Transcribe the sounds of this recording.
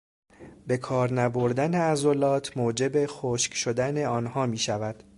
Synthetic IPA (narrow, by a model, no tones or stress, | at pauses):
be̞kʰɒːɾnæbo̞ɾd̪æneæzolɒːt̪ʰmoːd͡ʒe̞be̞xoːʃcʃod̪æne̞ɒːnhɒːmiːʃævæd̪̥